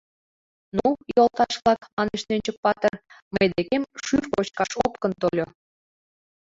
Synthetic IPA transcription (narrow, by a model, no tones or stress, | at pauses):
nujolt̪ɑʃβlˠɑkmɑneʃnønʲt͡ɕək̚pɑt̪ərməjd̪ekemʃyrkot͡ɕkɑʃopkənt̪olʲo